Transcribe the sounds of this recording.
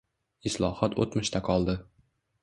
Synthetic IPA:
ɪslˠɒhɒt̪ʰo̰t̪mɪʃt̪ʰaqʰɒlˠd̪ɪ

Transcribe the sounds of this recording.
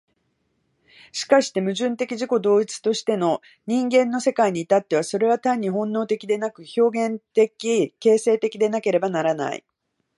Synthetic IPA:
ɕi̥kaɕi̥t̪e̞mɯ̟ʑɨ̃nt̪e̞kʲiʑiko̞d̪o̞ːit͡sɨ̥t̪o̞ɕi̥t̪e̞no̞ | ɲ̟ĩŋɡẽ̞nːo̞se̞kaiɲ̟iːt̪at̪ːe̞β̞aso̞ɾe̞β̞at̪ãɲ̟ːiɦõ̞nːo̞ːt̪e̞kʲid̪e̞nakɯ̟ço̞ːɡẽ̞nt̪e̞kʲike̞ːse̞ːt̪e̞kʲid̪e̞nake̞ɾe̞banaɾana̰ḭ

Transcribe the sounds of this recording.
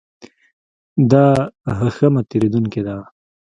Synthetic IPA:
d̪aɦəxamat̪eɾed̪uŋked̪a

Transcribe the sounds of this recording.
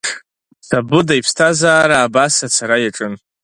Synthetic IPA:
sabɨdajpʰstʰazaːɾaːbasat͡sʰaɾajaʈ͡ʂʼɨn

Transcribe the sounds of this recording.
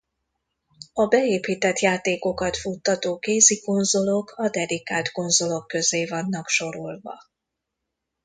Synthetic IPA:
ɒbɛeːpiːt̪ɛt̪jaːt̪eːko̞kɒt̪fut̪ːɒt̪oːkeːziko̞nzo̞lo̞kʰɒd̪ɛd̪ikaːt̪ko̞nzo̞lo̞kːø̞zeːvɒnːɒkʃo̞ɾolvɒ̰

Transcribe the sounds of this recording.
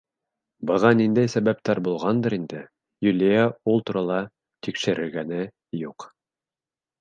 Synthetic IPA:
bɤ̆ʁɑnind̪æjsæβæp̚t̪æɾbulˠʁɑnd̪ɤɾind̪ɘ | jʉlʲijæulˠt̪uɾɑlˠɑ | t̪ikʃɘ̆ɾɘ̆ɾɡænɘ | juq

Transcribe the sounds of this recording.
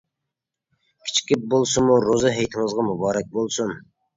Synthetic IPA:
kʲʰi̥t͡ʃʰkʲip̚bolˠsɨmuɾozɨɦɛjt̪ʰɪŋɨzʁɑmubɑːɾɛk̚ʲbolˠsum

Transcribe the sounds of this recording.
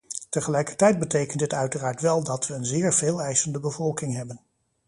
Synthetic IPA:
təχəlɛjkə̥ɹtɛjd̚bətejkəntdɪtœɥtəraːɹtʋɛlˠdɑtʋəːnzɪːɹveːlˠɛjsəndəbəvɔlˠkɪŋɦɛbən

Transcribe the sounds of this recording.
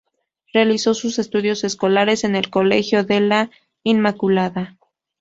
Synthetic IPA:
realiso̞suse̞st̪uðjo̞se̞sko̞laɾe̞se̞ne̞lko̞le̞xjo̞ðe̞la | inmakulaða

